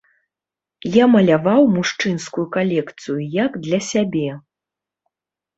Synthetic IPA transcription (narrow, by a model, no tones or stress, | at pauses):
jamɐlʲavawmuʂt͡ʂɨnskujukalʲɛkt̪sɨjujaɡd̪lʲɐsʲabʲɛ